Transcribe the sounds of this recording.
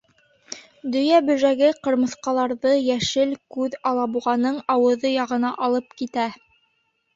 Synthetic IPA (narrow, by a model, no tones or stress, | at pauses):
d̪ɵ̆jæbɵ̆ʒæɡɘqɤ̆ɾmɤ̆θqɑlˠɑɾðɤjæʃɘlkʉðɑlˠɑbuʁɑnɤɴɑwɤ̆ðɤjɑʁɤ̆nɑʔɑlˠɤp̚kit̪æ